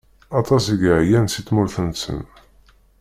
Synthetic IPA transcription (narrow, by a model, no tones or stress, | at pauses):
ɑt̪ˤɑsəɡʕjænsit̪ːmʊɾθənsə̰n